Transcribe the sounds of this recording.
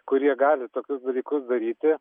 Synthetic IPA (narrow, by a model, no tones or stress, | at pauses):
kʊɾʲiɛɡɑːlʲɪt̪oːkʲʊsd̪ɐlʲiːkʊsd̪ɐɾʲiːt̪ʲɪ